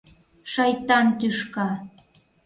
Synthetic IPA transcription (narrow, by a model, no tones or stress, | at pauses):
ʃɑjt̪ɑnt̪yʃkɑ